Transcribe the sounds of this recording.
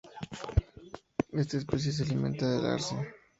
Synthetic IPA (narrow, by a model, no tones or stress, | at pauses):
e̞st̪aes̬pes̬jes̬ealimẽ̞nt̪aðeða̰ɾse